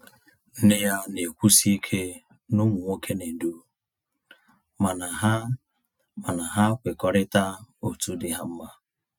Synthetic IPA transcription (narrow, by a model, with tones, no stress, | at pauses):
n̩˦nɪ˦ja˦ne˨kʷu˦si˦i˦kʰe˦ | nʊ˦mʊ˨ŋʷo˦kʰe˦ne˨n˨du˦ | ma˨na˨ɦa˦ | ma˨na˨ɦa˦kʷɪ˨kɔ˨ɾɪ˦ta˦o˨tu˦dɪ˦ɦa˦m̩˦ma˦